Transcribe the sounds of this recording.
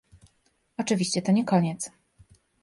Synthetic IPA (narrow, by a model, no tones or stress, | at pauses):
ɔt͡ʂɘvʲiɕt͡ɕɛt̪ɔɲɛkɔɲɛt̪s